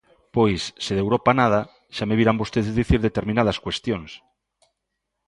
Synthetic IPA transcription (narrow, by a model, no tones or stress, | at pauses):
pojsːeðewɾopanað̞a | ʃameβiɾambost̪eðzðiθiɾðet̪eɾmĩnað̞askwest̪joŋs